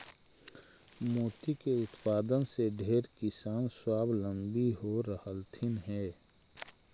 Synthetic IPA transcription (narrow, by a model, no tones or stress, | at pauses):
moːt̪ikeʊt̪paːd̪ənseɖʱeːɾkɪsaːnswaːblə̃mbiɦoɾəhəlt̪ʰɪnɦɛː